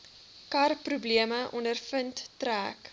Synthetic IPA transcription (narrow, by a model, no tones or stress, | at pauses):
kɐrprubliəməʔɔndərfəntːræːk